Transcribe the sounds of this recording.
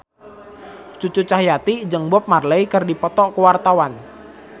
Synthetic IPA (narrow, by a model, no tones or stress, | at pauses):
t͡ʃut͡ʃut͡ʃahjat̪id͡ʒəŋbʊp̚marləikərdipɔt̪ɔʔkuwart̪awan